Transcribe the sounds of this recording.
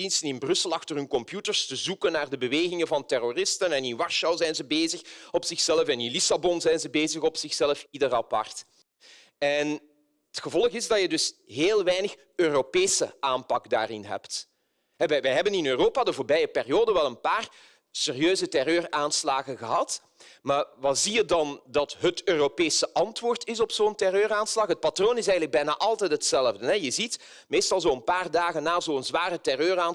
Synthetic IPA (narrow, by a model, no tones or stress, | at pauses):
instənɪnbrʏsəlˠɑxtərɦɵnkɔmpjutərstəzukənaːrdəbəʋeːɣɪŋəvɑntɛroːrɪstənɛnɪnʋɑrʃɑwzɛjnzəbeːzəxɔpsɪxsɛləfɛnɪnlisabɔnzɛjnzəbeːzəɣɔpsɪxsɛləfidərɑpɑ̰rt | ɛn | ətxəvɔlˠəɣɪzdɑjədɵsɦeːlˠʋɛjnəx | øːropeːsəʔaːmpɑkda̰ːrɪnɦɛ̰pt | ɦɛʋɛʋɛjɦɛbənɪnøːroːpaːdəvoːrbɛjəpɪrijoːdəʋɛlˠənpaːr | seːrjøːzətɛrøːraːnslaːɣəɣəɦɑt | maːrʋɑzijədɑndɑtɦətøːropeːsəʔɑntʋoːrtɪs̬ɔpsoːntɛrøːɾaːnslɑxɦət̚patroːnɪsɛjənləɡ̚bɛjna̰ːʔɑlˠtɛjtɦətsɛləvdənɛjəzit | meːstɑlˠzoːənpaːrdaːɣənːaːzoːənzʋaːrətɛrøːraːn